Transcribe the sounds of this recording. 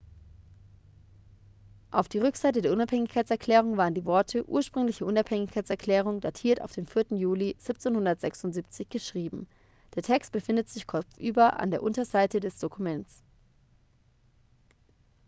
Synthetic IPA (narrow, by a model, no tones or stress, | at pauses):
ʔaʊfd̥iːʁ̞ʏkz̥aɪtədeɐʔʊnaphɛŋɪçkʰaɪt͡sɛɐkʰl̥ɛːʁ̞ʊŋvaːʁəndiːvɔɐtʰəʔṵːɐʃpʁ̥ʏŋlɪçəʔʊnaphɛŋɪçkʰaɪt͡sɛɐkʰl̥ɛːʁ̞ʊŋdatʰiːɐta̰ʊfd̥eːmfɪɐtn̩juːliz̥ɪp̚t͡seːnhʊndɐtz̥ɛksʊntz̥iːp̚t͡sɪçɡ̥əʃʁ̥iːbm̩ | d̥eːɐtʰɛkst̚b̥əfɪndətz̥ɪçkʰɔp͡fʔyːbɐʔa̰ndeːɐʔʊntɐzaɪtədɛsd̥okʰumɛnt͡s